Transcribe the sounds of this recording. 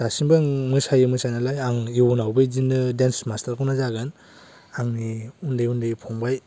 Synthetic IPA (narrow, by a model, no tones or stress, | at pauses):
dasiŋbɯŋmɯsajɯmɯsajnalajaŋiwunawbɯjzinːɯdensmastaɾkʰawnazaɡɯn | aŋniundɯjundɯjpʰɔŋbaj